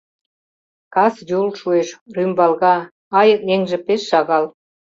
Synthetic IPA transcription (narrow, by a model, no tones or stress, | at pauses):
kɑsjulʃueʃrymbɑlɣɑ | ɑjə̆k̪̚neŋʒĕpeʃːɑɣɑl